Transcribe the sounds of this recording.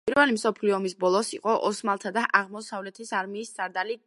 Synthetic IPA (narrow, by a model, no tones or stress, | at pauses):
iɾvɛlimsɔpʰliɔmisbɔlˠɔsiqʼɔʔɔsmalˠt̪ʰad̪aʔaʁmɔsavlɛt̪ʰisaɾmiːsz̥ʼaɾd̪ali